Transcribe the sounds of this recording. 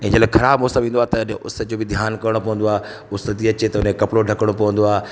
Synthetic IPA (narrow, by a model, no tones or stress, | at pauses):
ɛ̃ːd͡ʑəlaːxʰɐɾaːbmoːsəmʋĩːnd̪oaːet̪ɐʊ̰sd͡ʑoːbɪd̪ʱjaːnkɐɾɽ̃opɐʋə̃nd̪oaː | ʊst̪iɐt͡ɕet̪ɐʊnekɐpɽoɖʱɐkəɽ̃opɐʋə̃nd̪oaː